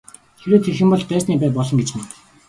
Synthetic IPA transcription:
xeɾoːt̪ʰexɘ̆mpɔɮp̪æːsniːpæːp̬ɔɮɞ̆ŋɡet͡ɕɘ̆ŋ

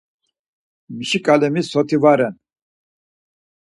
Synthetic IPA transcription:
miʃikʼalɛmisɔt̪ʰivaɾɛn

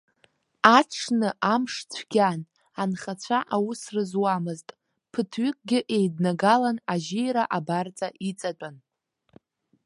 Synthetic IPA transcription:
aʈ͡ʂʰnɨʔamʂt͡sʷʰɡ̥ʲan | anχat͡ɕʷʰaʔawʊsrɨzwamɨztʼ | pʰɨtʰɥʏkʼɡʲɪʔe̞jdnaɡalanaʒejɾaʔabart͡sʼaʔit͡sʼat͡pʷʼan

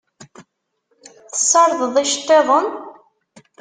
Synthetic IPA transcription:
θə̥sːɑɾˤðəðˤiʃə̥t̪ːeðˤən

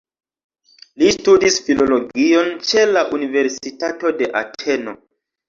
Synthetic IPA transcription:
listudisfilo̞lo̞ɡio̞nt͡ʃe̞laʔunive̞ɾsitato̞de̞ʔatʰe̞no̞

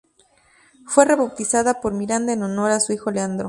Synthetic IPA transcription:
fwe̞re̞βawt̪isaðapoɾmiɾand̪aeno̞no̞ɾasuixo̞leand̪ɾo

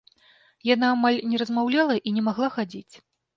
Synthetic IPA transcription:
janaːmalʲnʲɛɾɐzmawlʲalˠɐʔinʲɛmaɣlˠaxad͡zʲit͡sʲ

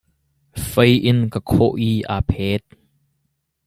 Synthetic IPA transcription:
fəjʔɪnkakʰɔʔiːʔaːpʰɛːt̪̚

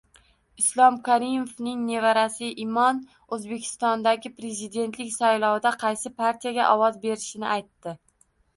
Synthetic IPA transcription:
ɪslˠɒmkʰaɾimofnɪŋne̞vaɾasɪʔimɒn | ɵzbe̞kʲʰɪ̥st̪ɒnd̪aɡʲɪpɾe̞zɪd̪e̞nt̪lɪkʲsajlˠɒwd̪aqʰɑjsɪpʰaɾt̪ʰijaɡʲa̰ʔɒwɒzbe̞ɾɪʃɪnɪ̰ʔajt̪ːɪ

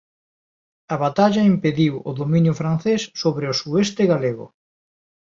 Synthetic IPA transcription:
aβat̪aʎaimpeðiwoðomĩnjʊfɾanθesːoβɾeosuest̪ɪɣaleɣʊ̰

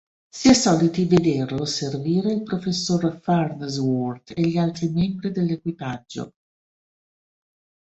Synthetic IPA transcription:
siɛsɔːlit̪ived̪erloserviːɾeilpɾofesːorfarnzwɔrt̪eʎːialt̪ɾimɛmbɾid̪elːekwipad͡ʒːo̰

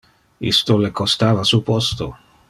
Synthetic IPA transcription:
ḭst̪olekost̪aːvasupost̪o

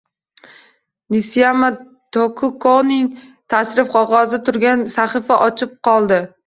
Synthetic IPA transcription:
nɪsijama | t̪okʰʊkonɪŋt̪ʰasɾɪfqʰɒʁɒzɪt̪ʰʊɾɡʲansaχɨfaʔɒt͡ʃʰɪp̚qʰɒlˠd̪ɪ

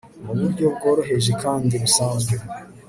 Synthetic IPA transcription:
muβuɾɟo̞b̚ɡo̞ːɾo̞ɦe̞ʒekaːndiɾusaːmɡee

